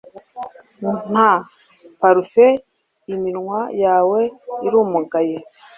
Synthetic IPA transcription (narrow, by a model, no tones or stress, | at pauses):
mun̥a | paɾufe | imiɾŋwajaːweiɾuːmuɡaje